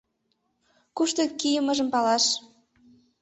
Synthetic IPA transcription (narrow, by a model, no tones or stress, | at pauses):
kuʃt̪okijə̆mə̆ʒə̆mpɑlɑʃ